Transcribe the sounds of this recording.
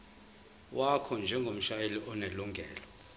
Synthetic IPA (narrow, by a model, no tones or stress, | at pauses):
wakʰɔnd͡ʒʱɛŋɡʱom̩ʃajeliɔneluŋɡʱɛːlɔ